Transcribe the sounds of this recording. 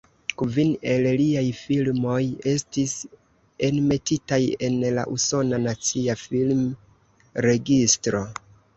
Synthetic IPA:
kvine̞lliajfilmo̞je̞stis | e̞nme̞titaje̞nla̰ʔuso̞nanat͡siafilm | ɾe̞ɡistɾo̞

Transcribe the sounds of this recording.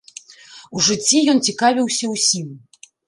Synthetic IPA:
uʐɨt͡sʲːijɔnt͡sʲikavʲiwsʲɐwsʲim

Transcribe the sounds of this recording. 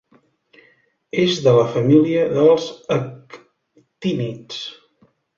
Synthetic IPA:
ezðələfəmiliəðəlˠzək | t̪init͡s

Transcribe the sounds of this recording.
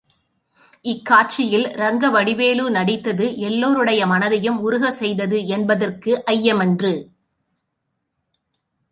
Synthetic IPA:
ɪkːaːʈ̚t͡ʃɪjɪlɾɐŋɡɐʋɐɽɪʋeːlunɐɽɪt̪ːɐðɯʔɛlːoːɾɯɽɐjɐmɐnɐðɐjɯmʊɾʊɣɐsɛjðɐðɯɛnbɐðɐrkɯʔɐjːɐmɛndrɯ

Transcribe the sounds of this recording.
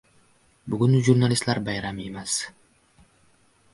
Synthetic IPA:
bʊɡʊnlɪʒuɾnalʲɪst̪laɾbajɾamemas

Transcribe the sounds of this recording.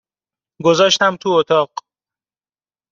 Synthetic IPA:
ɡo̞zɒːʃt̪æmt̪ʰuot̪ʰɒːɢ

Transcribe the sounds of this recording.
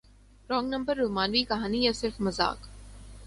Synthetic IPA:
ɾɔ̃ːŋɡnɐ̃mbəɾːoːmaːnʋikɐɦaːnijasɪɾfmɐza̰ːk

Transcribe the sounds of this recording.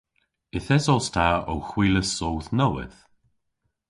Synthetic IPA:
ɪθɛsɔstʰao̰wxwiːləsoːwθnɔwɪ̰ð̥

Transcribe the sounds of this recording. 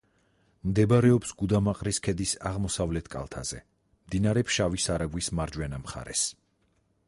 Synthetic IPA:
md̪ɛbaɾɛɔpsɡud̪amaqʼɾiskʰɛd̪isa̰ʁmɔsavlɛt̪ʰkʼa̰lˠt̪ʰa̰z̥ɛ̰ | md̪inaɾɛpʰʃavisaɾaɡwismaɾd͡ʒwɛnamχa̰ɾɛ̰s

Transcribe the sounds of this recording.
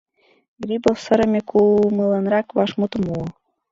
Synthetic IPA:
ɡɾʲibofsɤ̆ɾɤ̆mʲekʰumɤlˠɑnɾɑkβɑʃmut̪mu

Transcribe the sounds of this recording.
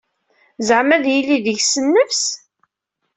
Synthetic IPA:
zəʕmæðjilːiðəʝsənːəfs

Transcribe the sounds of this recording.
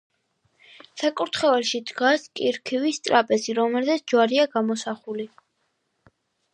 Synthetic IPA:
sakʼuɾt̪ʰχɛvɛlˠʃid̪ɡaskʼiɾkʰivist̪sʼɾapʼɛsiɾɔmɛlzɛsʰd͡ʒwaɾiaɡamɔsaχuli

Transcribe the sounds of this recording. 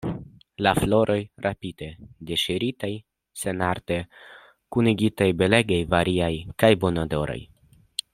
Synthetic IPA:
laflo̞ɾʔo̞jɾʔapide̞deʃiɾitaj | se̞naɾte | kuniɡitajbe̞le̞ɡejvaɾʔiajkajbo̞nodo̞ɾo̞̰j

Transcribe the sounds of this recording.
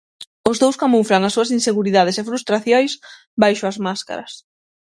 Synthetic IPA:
ʊzðowskamufɾaŋasːuɐsinseɣuɾiðað̞esefɾust̪ɾaθjojs | bajʃʊɐzmaska̰ɾɐs

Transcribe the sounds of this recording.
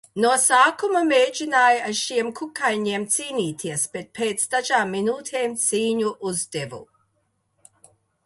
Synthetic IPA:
nuɔsaːkumɐmeːd͡ʒinaːjaʃiɛmkʰukajɲiɛmt̪siːniːt̪ʰiɛsb̥et̪̚pʰeːt̪sd̪aʒaːmːinuːt̪ʰeːmt̪siːɲuʔuzd̪evṵ

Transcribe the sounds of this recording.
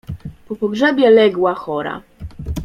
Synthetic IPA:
pɔpɔɡʐɛbʲjɛlɛɡwaxɔɾa̰

